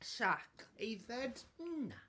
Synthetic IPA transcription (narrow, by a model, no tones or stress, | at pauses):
ʃakʰejvɛd̩na